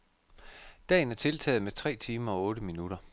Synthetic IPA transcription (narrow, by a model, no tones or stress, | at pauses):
d̥ɛ̰ːn̩æɐt͡sʰe̝lt͡sʰɛ̰ːð̩ˠmet͡sʰʁɛ̰ːt͡sʰiːmɐɒ̽ɔ̽ːɾəminuɾ̥ɐ